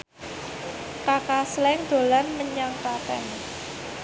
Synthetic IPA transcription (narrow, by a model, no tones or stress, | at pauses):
kakaslɛŋd̪̥o̤lanməɲaŋpat̪ɛ̰ŋ